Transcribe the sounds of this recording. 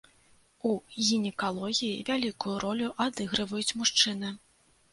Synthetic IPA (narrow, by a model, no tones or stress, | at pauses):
uɣʲinʲɛkalˠɔɣʲijḭvʲalʲikujuɾʔɔlʲuʔad̪ɨɣɾɨvɐjut͡sʲmuʂt͡ʂɨnɨ